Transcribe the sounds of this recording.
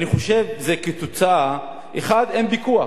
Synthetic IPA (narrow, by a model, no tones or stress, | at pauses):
niχo̞ʃe̞vzeket͡sut͡sa | ʔeχad̪enbikua